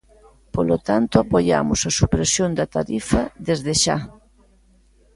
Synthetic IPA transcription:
polot̪ant̪ʊapoʎa̰mʊsɐsupɾesjond̪ɐt̪aɾifɐðezðeʃa̰

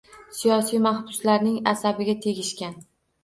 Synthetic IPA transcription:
sijɒsijmaχbʊslaɾnɪŋa̰sabɪɡʲat̪ʰe̞ɡʲɪʃkʲan

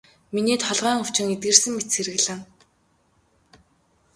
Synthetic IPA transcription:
mineːt̪χɔɮʁœːŋʊt͡ɕɪ̆ŋet̪̚ɡɘ̆rsɘ̆ŋmet̪sʰeɾɘ̆ɣɮɘ̆ŋ

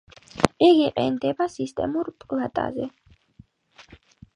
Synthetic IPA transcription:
ɛɡiqʼɛ̰nd̪ɛbasist̪ʼɛ̰muɾpʼlat̪ʼa̰zɛ

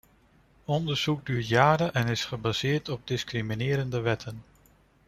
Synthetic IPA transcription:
ɔndəɹz̥uɡ̚dyːɹtjaːɾənʔɛnɪsχəbaz̥ɪːɹtɔb̚dɪskriminɪːɾəndəʋɛtʰən

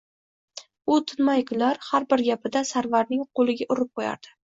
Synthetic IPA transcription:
ʊt̪ʰɪnmajkʰʊnlːaɾhaɾbɪɾɡʲapɪd̪asaɾvaɾnɪŋqʰolˠɪɡʲaʔʊɾɪp̚qʰoja̰ɾd̪̥ɪ̥

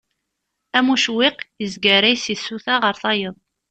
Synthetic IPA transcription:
æmuʃwiqjəzɡəɾæjsisːuθaʁəɾθɑjəðˤ

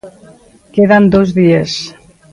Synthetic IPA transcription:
keðand̪ozðies

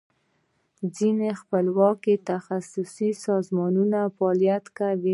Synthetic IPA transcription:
d͡zinexpəlwɑket̪axasʊsisɑzmɑnunafɑljat̪kawi

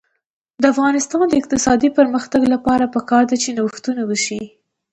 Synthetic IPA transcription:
d̪əafɣɑnɪst̪ɑnd̪əɪq̚t̪ɪsɑd̪ipəɾməxt̪aɡlapɑɾapəkɑɾd̪at͡ʃenawəxt̪unawəʃi

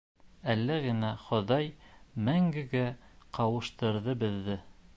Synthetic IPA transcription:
ælːæɣɘ̆næχŏðɑjmæŋɡɘ̆ɡæqɑwɤ̆ʃt̪ɤ̆ɾðɤbɘ̆ðːɘ

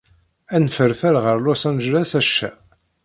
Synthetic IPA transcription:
ænfəɾfæɾʁəɾlusɑnʒɾæsæʃːæ̰

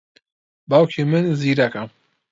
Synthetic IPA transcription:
bawkʰimɨnziːɾakɐ

